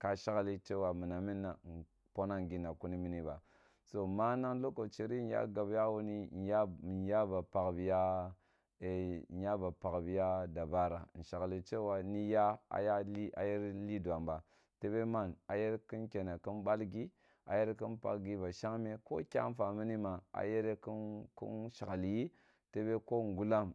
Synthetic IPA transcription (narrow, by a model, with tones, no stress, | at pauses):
ka˨ʃa˦kli˦t͡ʃe˦wa˨mi˨na˨mi˦nːa˨ | po˦na˦ŋ˨ɡi˨nːa˨ku˦ni˦mi˦ni˦ba̰˨ | so˨ma˦na˦ŋlo˦ko˨t͡ʃi˨ɾi˦n˨˦ja̰˦ɡa˨bja˦wu˦ni˦˨˦ja˦˨n˦ja˦ba˨pa˨kbi˨ja˦˨ | nja˦ba˨pa˨kbi˨ja˦da˨ba˦ɾa˨n̩˨ʃa˨ɡli˨t͡ʃe˦wa˨ni˦ja˦a̰˨ja˦li˦a̰˨je˦ɾli˦du˨a˨mba˨ | te˦be˦ma˦˨na˨je˦ɾki˦nkʲe˨na˨ki˦nɓa˦lɡi˦ | a̰˨je˦ɾe˦ki˦npa̰˨kɡi˦ba˨ʃa˦ŋme˦ko̰˦kʲa̰˦n˦fa˨mi˦ni˦ma˨a̰˨je˦ɾe˦ku˦kṵ˦nʃa˨kli˨ji˦ | te˦be˦ko˦ŋ˨ɡu˦la˦m